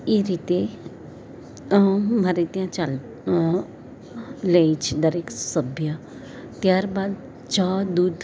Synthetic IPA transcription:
iɾiːt̪e | maɾet̪ijãt͡ʃal | leit͡ʃʰid̪ɐɾeːksəbʱja | t̪jaːɾbaːd̪ | t͡ʃaːd̪uːd̪

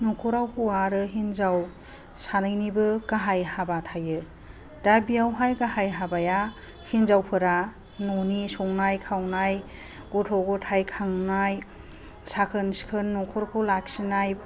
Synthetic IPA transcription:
nɔkʰɔɾawpʰuaɾɯɦinzaw | sanɯjnibɯɡaɦajhabatʰajɯ | d̥abijawɦajɡahajɦabaja | hinzawpʰɯɾa | nɔnisɔŋnajkʰawnaj | ɡ̥ɔtʰɔɡɔtʰajkʰaŋnaj | sakʰɯnskʰɯnːɔkʰɔɾkʰɔlak̚sinaj

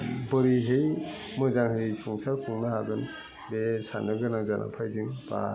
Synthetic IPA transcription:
bɯɾiɦɯj | mɯzaŋɦɯjsɔŋsaɾkʰuŋnaɦaɡɯn | besa̰nɯɡɯnaŋzanʔa̰ŋpʰajzɯŋba̰

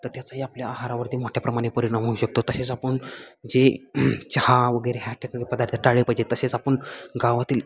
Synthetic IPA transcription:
t̪əɾt̪jat͡saɦiapljaaɦaɾaʋəɾt̪imoʈʰjapɾəmaɽ̃epəɾiɳamɦouɕək̚t̪ot̪əset͡sapəɳd͡zet͡ɕhaʋəɡəjɾeɦjaʈʰekəɡepəd̪aɾt̪ʰəʈaɭepəjd͡ʑet̪əset͡sapəɳɡaʋat̪iːl

